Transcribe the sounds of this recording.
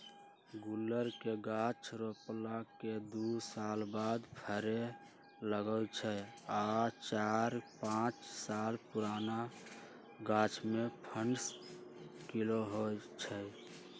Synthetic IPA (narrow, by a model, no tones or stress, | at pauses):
ɡulːəɾkeɡat͡ʃʰɾoplaked̪usalbad̪pʰəɾe | ləɡət͡ʃʰəat͡ʃaɾpãt͡ʃsalpuɾana | ɡat͡ʃʰmepʰəɳɖs | kiloɦot͡ʃʰə